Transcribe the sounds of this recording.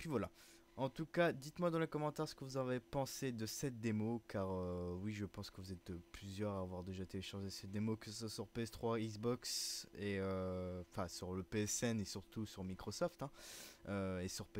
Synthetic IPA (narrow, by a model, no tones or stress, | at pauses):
pɥivwala | ɑ̃t̪ukad̪it̪mwad̪ɑ̃lekɔmɑ̃t̪ɛʁsə̥kəvuzavepɑ̃sed̪əsɛt̪̚d̪emokaʁøwiʒəpɑ̃skəvuzɛt̪̚plyzjœʁaːvwaʁd̪eʒat̪eleʃaʁʒesɛt̪̚d̪emokəsswasyʁpeɛst̪χwaizbɔkseøɑ̃fɛ̃syʁləpeɛsɛnesyʁt̪usyʁmikχɔsɔft̪ɛ̃øesyʁpe